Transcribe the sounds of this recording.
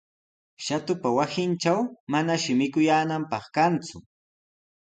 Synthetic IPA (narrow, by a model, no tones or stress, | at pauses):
ʃat̪ʊpawasɪnt͡ʃawmanaʃɪmɪkʊjaːnampɑχkant͡sʊ